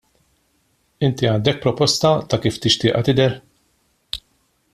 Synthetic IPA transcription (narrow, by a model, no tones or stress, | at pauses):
ɪnt̪iɐːnd̪ɛk̚pɾɔpɔst̪ɐt̪ɐkiːft̪ɪʃt̪ɪːʔɐt̪ɪd̪ɛɾ